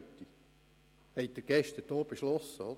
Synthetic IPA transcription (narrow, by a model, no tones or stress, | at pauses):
t̪ːi | hɛɪt̪̚d̥əɡ̥ɛʃtəd̥oːb̥eʃlɔsːəɔ